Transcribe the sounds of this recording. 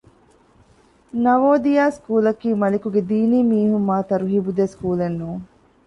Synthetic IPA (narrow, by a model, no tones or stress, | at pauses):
nɐʋoːd̪ijaːskuːlɐkiːmɐlikuɡed̪iːniːmiːɦumːaːt̪ɐɾuɦibud̪eskuːlenːuːŋ